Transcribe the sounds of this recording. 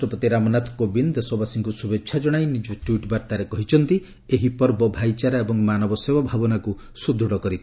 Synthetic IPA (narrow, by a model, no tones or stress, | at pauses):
ʈɔpot̪iɾamɔnat̪ʰkobind̪esɔbasiŋkusubetːʃʰad͡ʒɔɽ̃ajnid͡ʒɔʈwiʈbaɾt̪aɾekɔɦit͡ʃʰɔnt̪i | eɦipɔɾbɔbʱajt͡ʃaɾaebɔŋmanɔbɔsebabʱabɔnaku | sud̪ʱuɽɔkɔɾit̪ʰ